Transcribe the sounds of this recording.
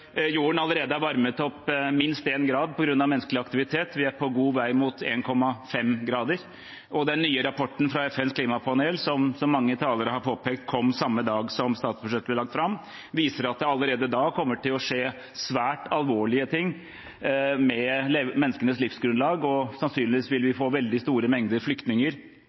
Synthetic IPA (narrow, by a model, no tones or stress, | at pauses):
juːəɳɑləɾeːd̪əæɾʋɑɾmət̪ɔpmɪnst̪eːnɡɾɑːd̪̚pʰɔɡɾʉnːɑʋmɛnːskəlɪɑkt̪ɪʋɪt̪ʰeːt̪ʋɪæɾpʰɔɡuːʋæɪmʊt̪ʰeːnkʰɔmːɑfɛmɡɾɑːd̪əɾ | ʔɔd̪ɛænyːəɾɑpʰɔʈːn̩fɾɑɛfɛnskʰliːmɑpʰɑneːlsɔmsɔmːɑŋːət̪ʰɑːləɾəhɑɾpʰoːpʰeːk̚t̪kʰɔmːsɑmːəd̪ɑːɡsɔmst̪ɑːt̪sbʉʂɛt̪ːəblɛlɑk̚t̪fɾɑm | ʋiːsəɾɑt̪̚d̪ɛɑləɾeːd̪əd̪ɑːkʰɔmːəʈʰɪlɔʂeː | sʋæːʈɑlʋoːɭɪət̪ʰɪŋː | mɛlmɛnːəskənəslɪfsɡɾʉnlɑːɡɔsɑnsyːnɪʋiːsʋɪlʋɪfoːʋɛld̪ɪst̪uːɾəmɛŋd̪əɾflʏkt̪nɪŋəɾ